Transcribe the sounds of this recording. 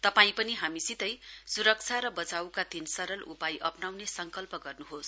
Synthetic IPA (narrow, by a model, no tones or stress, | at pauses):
t̪ʌpaĩpʌniɦamisit̪ʌjsuɾʌk̚t͡sʰaɾʌbʌt͡sawkad̪insʌɾʌlʔupajʔʌpnawnesʌŋkʌlpʌɡʌrnuɦos